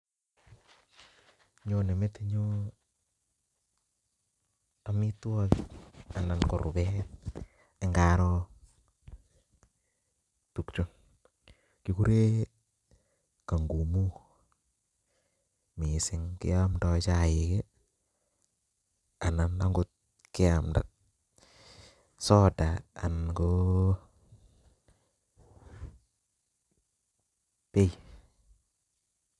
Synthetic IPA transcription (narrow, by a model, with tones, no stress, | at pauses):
ɲo˦ne˨me˦te˦ɲo˦ | a˨mi˦twɔ˦kia˨na˨nko̰˨ɾʔʊ̰˨bɛ˦t | e˦ŋɡaː˦ɾɔ˦ | tu˨kt͡ʃo˦n | ki˦ku˦ɾe˦ | ka˨ŋɡu˨mu˦ | mi˨sɪ˨ŋkḭ˦ja˦mdɔ˦t͡ʃa˦jɪ˨ke˦ | a˨na˨nda˦ŋɡu˦t̪̚ | kɪ˦a˨mda̰˨ | sɔ˦da˨a̰˨nko˦ | pe˦j